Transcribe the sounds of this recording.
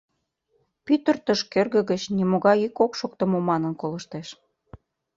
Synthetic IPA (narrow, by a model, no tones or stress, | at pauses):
pyt̪ərt̪əʃkerɣə̆ɣə̆t͡ɕnimoɣɑjikokʃok̚t̪ə̆momɑnə̆nkolə̆ʃt̪eʃ